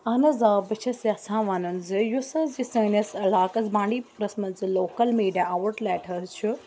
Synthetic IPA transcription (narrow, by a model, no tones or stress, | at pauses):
ɐnɐzaːbɨt͡ʃʰɐsjaːsãːʋɐnɐnzɨjusɐzisɐːnɐsɐlaːkɐzbãːɳɖiːpuɾɐsmɐnzɨloːkɐlmeːɖjaːɐʋɐʈlɛːʈʰɐzt͡ʃʰu